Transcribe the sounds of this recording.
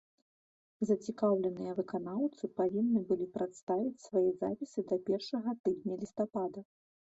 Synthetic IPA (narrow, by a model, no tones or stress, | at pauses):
zɐt͡sʲikawlʲɛnɨjɐvɨkanawt̪sɨpavʲinːɨbɨlʲipɾat̪st̪avʲit͡sʲsvajiza̰pʲisɨd̪ɐpʲɛrʂɐɣɐt̪ɨd̪ʲnʲɐlʲist̪apad̪ɐ